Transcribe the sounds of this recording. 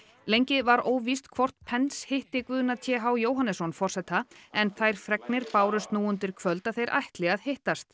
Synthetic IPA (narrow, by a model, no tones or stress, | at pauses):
lejɲcɪvaɾoːwvist̪kʰvɔr̥t̪pʰɛnshɪht̪ɪkvʏːðʏnat̪ʰjɛːɦawjoːwɦanɛsɔnfɔr̥sɛt̪ʰaɛnθajɾ̥fɾɛknɪɾpaːwɾʏst̪nuːʏnt̪ɪɾ̥kʰvœlt̪aθejɾʔa̰jht̪lɪɣaðhɪht̪ast̪